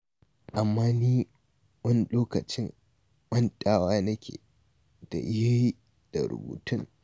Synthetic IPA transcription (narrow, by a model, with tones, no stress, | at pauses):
ʔa˨mːaː˦niː˦ | wɐ˦n˦loː˦kɐ˨t͡ʃɪ˦ŋ | mɐ˦ntʼaː˦waː˦nɐ˦kʲḛː˨ | d̥a̰˨ja˦ji˦ | d̥a̰˨ɾʊ̰˨bṵː˨tʊ˦ŋ